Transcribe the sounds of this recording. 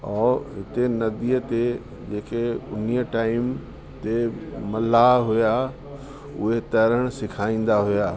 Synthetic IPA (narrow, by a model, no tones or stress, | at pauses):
ɔːɦɪt̪enɐd̪iət̪e | d͡ʑeːkeʊ̰n̤ijəʈaːɪm | t̪emɐlaɦuja | ʊ̰ɦet̪ɐɾəɽ̃sɪkʰaːĩːn̆d̪aɦʊjaː